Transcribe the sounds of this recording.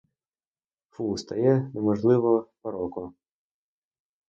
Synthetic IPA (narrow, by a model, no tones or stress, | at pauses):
fust̪ɐjɛnɛmɔʒlˠɪʋɔpɐɾɔkʊ